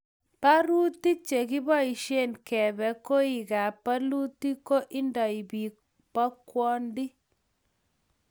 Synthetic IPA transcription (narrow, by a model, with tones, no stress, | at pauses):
pa˦ɾu˦ti˦t͡ʃe˨ki˦bɔ˦i˨ʃe˦nkɛ˨bɛ˨ko˦i˨ɡa˨pa˦lu˦ti˦ko˦ʔi˦ndɔ˨i˨bi˨k | pa˦kwɔ˦ndi˦